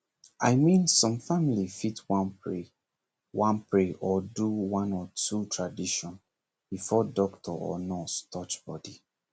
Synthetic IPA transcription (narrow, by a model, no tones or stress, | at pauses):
ajmĩnsɔ̃mfamilifitwãnpɹe | wãnpʰɹeʔɔduwãnɔtutʰɹadiʃɔ̃n | b̥ifɔdɔktʰɔɔ̰nɔstʰɔt͡ʃb̥ɔdi